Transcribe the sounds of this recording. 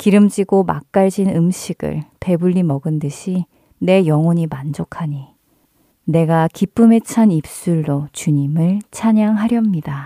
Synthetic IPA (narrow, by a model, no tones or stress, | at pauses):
kiɾɯmd͡ʑiɡoma̰k̚k͈aɭd͡ʑinɯmɕʰiɡ̥ɯ̰ɭpe̞buʎːimʌɡɯndɯɕʰi | ne̞jʌŋʌɲimand͡ʑokʰaɲi | ne̞ɡakip͈ɯme̞t͡ɕʰanip̚s͈uɭːot͡ɕuɲimɯɭt͡ɕʰaɲaŋɦaɾjʌmɲida